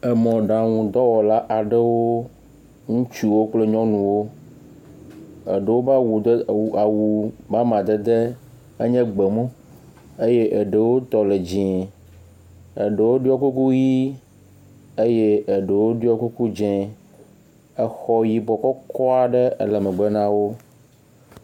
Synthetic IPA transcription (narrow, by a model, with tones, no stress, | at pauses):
ə˨mɔ̃˨ɖã˨ŋũ˨d̪ɔ˦wɔ˨la˦ʔa˨ɖə˦wo˦ | ŋũ˦t͡ʃu˦wo˦k͡ple˦ɲɔ̃˦nũ˨wo˦ | ə˨ɖə˨wo˦ba˦wu˨˦˨a˨wu˨ba˦mã˨d̪ə˦d̪e˦ | ə˦ɲɛ̃˦ɡ͡be˨mõ˦ | e˦je˦ʔə˨ɖə˨wo˦t̪ɔ˨le˨d͡ʑĩ˨ | ə˨ɖə˨wo˦ɖi˦ɔ˦ku˦ku˦ji˦ | e˦je˦ʔə˨ɖə˨wo˦ɖi˦ɔ˦ku˦ku˦d͡ʒɛ̃˨ | ə˦xɔ˦ji˦bɔ˨kɔ˦kɔ˦a˨ɖə˦ə̰˦lə˨mə˨ɡ͡bə˦nã˦wo˦